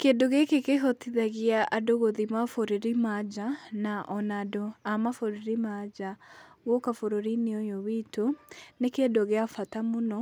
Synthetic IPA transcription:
keːdoɣekekeɦotiðaɣiaʔadoɣoðimafoɾeɾimad͡ʒanaʔɔnadoamafoɾeɾimad͡ʒa | ɣɔkafoɾoɾineojowitonekedoɣeafatamonɔ

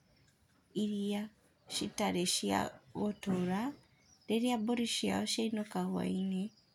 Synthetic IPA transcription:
iɾia | ʃitaɾeʃia̰ɣotoɾa | ɾeɾjaboɾiʃia̰oʃainokaɣwa̰ine

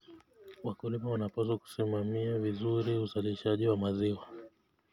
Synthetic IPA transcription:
wakulimawanapasaku̥simamiavizuɾiuzaliʃaʄiwamaziwa

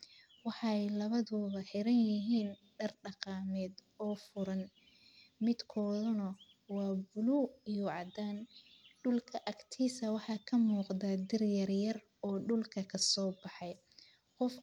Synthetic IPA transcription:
wɑħɑɛjlɐβɐðɔːβɐħɪɾɐnjɪɦiːn | ɖɐrɖɑqɑːmɛːd̪ | ɔːfʊɾɐn | mɪd̪kʰɔːðʊnɐ | wɑːbʊluːijɔʕɑd̪aːnɖʊlkʰɐʔɐkt̪ʰiːsɐwɑħɑːkʰɐmuːqdaːd̪ɪrjɐrjɐr | ɔːɖʊlkʰɐkʰɐsɔːbɑħɑj | qɔf

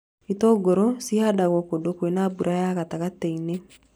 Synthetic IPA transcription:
itɔɡoɾɔsiadaɣwɔkodokwenabuɾʔajaɣataɣatɛine

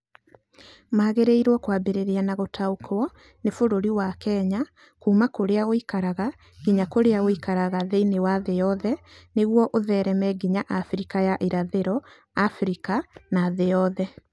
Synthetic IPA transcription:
maːɣeɾeiɾwɔkwaːbeɾeɾeanaɣotʰaokʰwɔ | nefoɾoɾiwakɛɲa | kuːmakoɾeaoikaɾaɣa | ɡiɲakoɾeaoikaɾaɣaðeinewaðejɔðɛneɣwɔʔoðɛɾɛmɛɡiɲaʔafɾikajaʔeɾaðeɾɔ | afɾikanaːðejɔðɛ

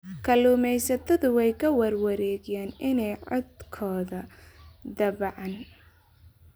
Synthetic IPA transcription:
kʰɐluːmɛjsɐt̪ʰɐðʊwɛjkʰɐwɐrwɐɾɛːɡɪjaːnʔɪnɛjʕɔ̰d̪kʰɔːðɐd̪ɐβʕɑn

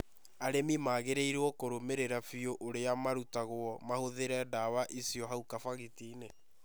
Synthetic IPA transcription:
aɾemimaːɣeɾeiɾwɔkoɾomeɾeɾafioʔoɾeamaɾutaɣwɔmahoðeɾɛdaβaʔisiɔɦaukafaɣitine

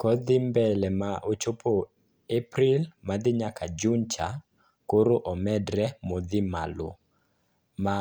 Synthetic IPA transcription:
kɔd̪ɪmbɛlɛmaʔot͡ʃopʰo | epɾɪlmad̪ɪɲakʰad͡ʒunt͡ʃa | koɾoʔɔmɛdɾɛmod̪ɪma̰lo̰ | ma

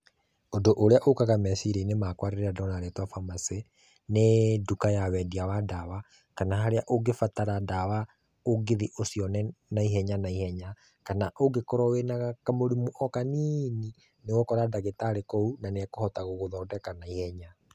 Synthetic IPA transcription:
ondoʔoɾeaʔokaɣamɛsiɾeinemakwaɾeɾeadɔnaɾetwafamase | nedukajawɛdiawadawa | kanaɦaɾeaʔoɡefataɾadawa | oɡeðiʔosiɔnɛnaiɦɛɲanaihɛɲa | kanaʔoɡekɔɾɔwenaɣakamoɾimuʔɔkaniːni | newɔkɔɾadaɣetaɾekɔunaneakohɔtaɣoɣoðɔːdɛkanaihɛɲa

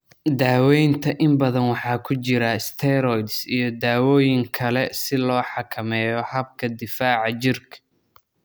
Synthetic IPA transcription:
d̪aːwɛjnt̪ʰɐʔɪmbɐðɐnwɑħɑːkʰʊt͡ʃɪɾɐɪst̪ʰɛɾɔjd̪sijɞd̪aːwɔːjɪŋkʰɐlɛsɪlɔːħɑkʰɐmɛːjɔhɐb̚kʰɐd̪ɪfaːʕɑt͡ʃɪrkʰɐ̥

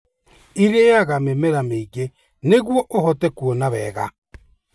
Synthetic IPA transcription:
iɾeaɣamemɛɾameiɣe | neɣwɔʔohɔtɛkuɔnaβɛ̰ːɣa̰

